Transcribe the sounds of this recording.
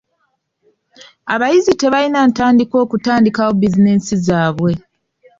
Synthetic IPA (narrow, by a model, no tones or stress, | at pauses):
aβajizite̞βalinaːntaːndiko̞ːkutaːndikawo̞bizine̞sizaːβwe̞